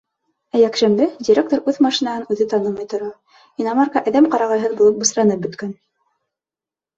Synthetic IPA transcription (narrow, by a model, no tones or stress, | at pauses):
æjækʃɘ̆mb̪ɘdʲɪɾʲek̚t̪oɾʉðmɑʃinɑɦɤnʉðɘt̪ɑnɤmɑjt̪ŏɾɑ | inɑmɑrkɑʔæðæmqɑɾɑʁɑjɦɤðbulˠɤp̚bɤ̆sɾɑnɤp̚bɵ̆t̪kæn